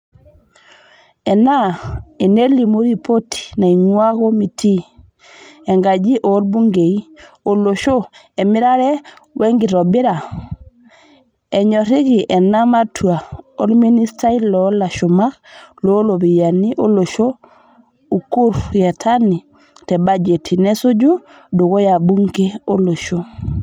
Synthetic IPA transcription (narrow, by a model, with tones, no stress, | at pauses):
ɛ˨na˦e˨ne˦li˨mu˦ɾi˦po˦tʰi̥˨na˨i˨ŋwa˦ɣo˦mi˨tʰi˦ | ɛ˨ŋɡa˨d͡ʒi˦ʔo˨˦lbu˦ŋɡe˨i˦ | o˨lo˨ʃo˦ | ɛ˨mi˦ɾa˦ɾɛ˦wɛ˦ŋɡi˨ɾɔ˨bɪ˦ɾa˨ | e˨ɲo˨ɾi˦ki˨ʔɛ˨na˦ma˦tʰu˨a˨o˦lmi˦ni˦sta˦i˦lɔla˨ʃu˨ma˦xlo˦lo˨bi˨ja˨ni˦ʔo˦lo˨ʃo˦ | u˨ku˦ɾje˨tʰa˦ni˨ | tɛ˨ba˦d͡ʒe˨tʰi˨ne˦su˦ɟu˦ | du˨ko˦ja˨bu˦ŋɡe˦o˦lo˨ʃo˦